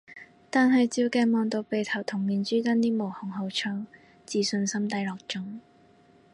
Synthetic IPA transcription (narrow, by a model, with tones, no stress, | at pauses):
t̪aː˨˧nɦɐ˨jt͡siː˨˧wkɛː˧mɔː˨˧ŋt̪o˨˧wpe˨jt̪ʰɐ˨˩wt̪ʰʊ˨˩ŋmiː˨˧nt͡syː˥t̪ɐ˥nt̪iː˥mo˨˩whʊ˨˩ŋɦo˨˧wt͡ʃʰœː˥ŋ | t͡siː˨˧sɵ˧nsɐ˥mt̪ɐ˥jlɔː˨k̚t͡ʃʊ˥ŋ